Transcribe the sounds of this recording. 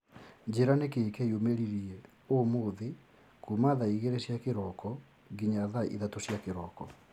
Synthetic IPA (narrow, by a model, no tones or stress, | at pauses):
ɲd͡ʑeɾanekekɛiomeɾiɾiɛ | omoðe | kumaðaiɣeɾeɕjakeɾɔkɔ | ɡiɲaðaʔḭðatoɕjakeɾɔkɔ